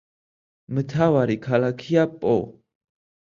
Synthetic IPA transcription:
mət̪ʰawaɾikʰalakʰiapʼo̰

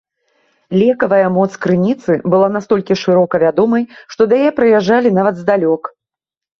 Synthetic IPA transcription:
lʲɛkɐvɐjɐmɔt̪skɾɨnʲit̪sɨbɨlˠanast̪ɔlʲkʲiʂɨɾɔkɐvʲad̪ɔmɐjʂt̪ɔd̪ɐjɛpɾɨjaʐːalʲin̪avɐd̪zd̪alʲɔk

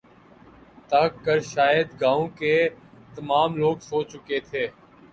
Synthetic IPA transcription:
t̪ɐɦkːəɾʃaːjəd̪ɡãːõːkeːt̪əmaːmloːɡsoːt͡ʃʊket̪ʰeː

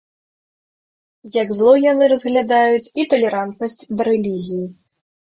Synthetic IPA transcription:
jɐɡzlˠɔjanɨɾɐzɣlʲad̪ajut͡sʲit̪ɐlʲɛɾant̪nɐsʲt͡sʲd̪ɐɾɛlʲiɣʲiji

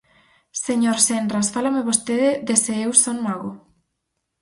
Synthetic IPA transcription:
seɲoɾsendɾasfalameβost̪eðɪðeseewsoŋmaɣo

